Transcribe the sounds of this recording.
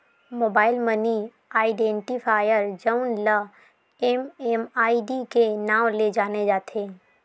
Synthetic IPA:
moːbaːɪlməni | aːɪɖẽːɳʈipʰaːjəɾd͡ʒəʊnla | ememaːiɖikenãːwled͡ʒaːned͡ʒaːt̪ʰeː

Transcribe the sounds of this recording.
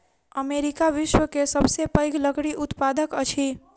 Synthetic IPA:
əmeɾikaʋɪʃwəkesəbsepəɪɡləɡɽiʔʊt̪pad̪əkət͡ʃʰi

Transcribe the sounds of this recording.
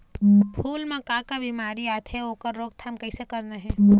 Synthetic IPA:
bʱʰuːlmẽkaːkabimaːɾiaːt̪ʰɦɛoːkəɾːoːɡ̚t̪ʰamkəɪsekəɾnaɦɛ̃

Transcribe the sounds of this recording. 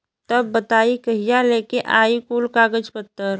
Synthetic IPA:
t̪ɐbːət̪aːikɐɦijaleːkeʔaːikuːlkaːɡəd͡ʒpət̪ːəɾ

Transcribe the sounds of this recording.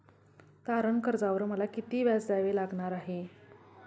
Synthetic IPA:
t̪aɾənkəɾd͡zaʋəɾməlakit̪iːʋjat͡sd̪aʋelaɡɳaɾaɦe

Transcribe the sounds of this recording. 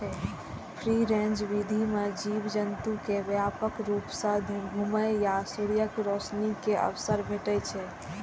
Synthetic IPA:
ɛ | pʰɾiɾẽnd͡ʒʋid̪ʱimed͡ʒibd͡ʒənt̪ukeʋjapəkɾupsə̃d̪ʱiɡʱuməjjasuɽijəkɾɔsnikeʔə̰ʋsəɾbʱeʈət͡ʃʰɛ

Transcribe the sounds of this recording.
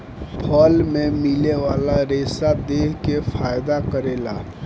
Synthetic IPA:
pʰəlmẽmɪleʋaːlaɾeːsad̪eːɦkefʰaːjd̪akəɾeːla̰

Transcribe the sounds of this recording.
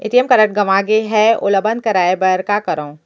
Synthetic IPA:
ɪ̰t̪iəmkɐɾəʈ̚ɡɐʋaːɡeɦɛʊ̰ləbən̚kɐɾaːebɐɾkakɐɾõː

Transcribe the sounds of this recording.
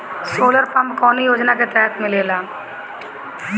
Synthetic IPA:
soːləɾpɐmkɔːnijoːd͡ʒnaket̪ɛːət̪mɪleːlaː

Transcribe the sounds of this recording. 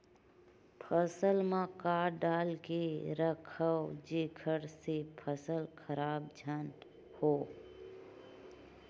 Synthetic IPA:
pʰəsəlmãkaːɾɖaːlkeɾəkʰəwd͡ʒekʰəɽsepʰəsəlkʰəɾaːb̚d͡ʒʱən | hoː

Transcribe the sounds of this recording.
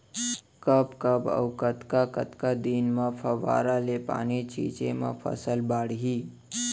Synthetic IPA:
kəpkəbə̰wkət̪kakət̪kad̪iːnmapʰəʋa̰ːɾalepa̰ːnit͡ʃḭt͡ʃemã̰pʰə̰səlbaːɽɦi

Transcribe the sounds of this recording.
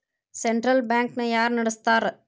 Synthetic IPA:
sɛɳʈɾɐlbaːŋknɐjaːɾnɐɽɯst̪aːɾ

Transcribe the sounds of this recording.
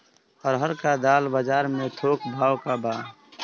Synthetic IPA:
ɔɾɦəɾkad̪aːlbəd͡ʒaːɾmẽt̪ʰoːkbʱaːwkabaː

